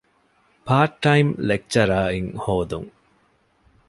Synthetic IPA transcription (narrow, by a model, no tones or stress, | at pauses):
paːʈːɐjmlek̚t͡ʃɐɾaːiŋhoːd̪ṵŋ